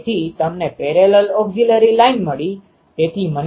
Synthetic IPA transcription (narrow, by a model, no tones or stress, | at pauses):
t̪ʰit̪əmnepeɾeləlɔɡd͡ʒiləɾilainməɭi | t̪et̪ʰimən